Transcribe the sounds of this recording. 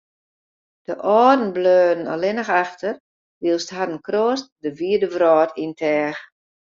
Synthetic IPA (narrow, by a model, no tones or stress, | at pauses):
d̥əʔɔːdn̩bløːdən̩ɔ̰lɪnəxaxtər | ʋiəlˠstɦadən̩kroəst̚dəʋiədəʋrɔːtʰintʰɛːx